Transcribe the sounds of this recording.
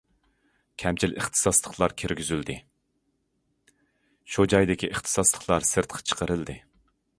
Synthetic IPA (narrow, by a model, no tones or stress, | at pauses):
kʲʰɛmt͡ʃʰilʔə̰χt̪ʰɨ̥sɑslˠəχlˠɑɾkʲʰiɾɡʲyzyld̪ɪ | ʃud͡ʒɑjd̪ɪkʲʰiʔəχt̪ʰɨ̥sɑslˠəχlˠɑɾsɨɾt̪̚qʰɑ̥t͡ʃʰə̥qəɾɨld̪ɨ